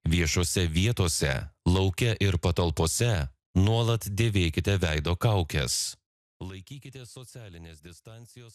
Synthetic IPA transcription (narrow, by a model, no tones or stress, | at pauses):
ʋʲiɛʃoːsʲɛʋʲiɛt̪oːsʲɛ̰lˠɐʊkʲɛʔɪɾpɐt̪ɐlˠpoːsʲɛ | nuɔlˠɐt̪d̪ʲeːʋʲeːkʲɪt̪ʲɛʋʲæɪd̪oːkɐʊkʲɛ̰s | lˠɐɪkʲiːkʲɪt̪ʲesɔt̪sʲæːlʲɪnʲeːsd̪ʲɪst̪ɑˑnʲt̪sʲɪjoːs